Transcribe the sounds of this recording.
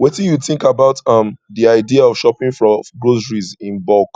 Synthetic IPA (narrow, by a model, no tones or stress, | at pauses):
wɛtĩnjuθɪ̃ŋkabaʊtʌ̃mðiaɪdiaɔv̥ʃɔpĩŋfɹɔɡɹozəɹizĩnbɔk